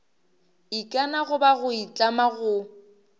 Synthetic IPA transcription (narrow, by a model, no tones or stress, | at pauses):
ikʼanaɣʊbaɣʊit͡ɬʼamaɣʊ